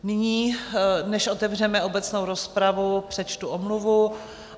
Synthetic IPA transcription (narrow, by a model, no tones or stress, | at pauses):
nɪɲiːnɛʃʔo̞t̪ɛvr̝ɛmɛo̞bɛt͡snowɾo̞spɾavupr̥ɛt͡ʃt̪uʔomluvu